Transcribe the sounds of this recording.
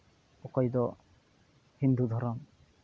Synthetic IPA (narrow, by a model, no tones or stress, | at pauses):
ɔkɔjd̪ɔ | hind̪ʱud̪ʱɔɾɔm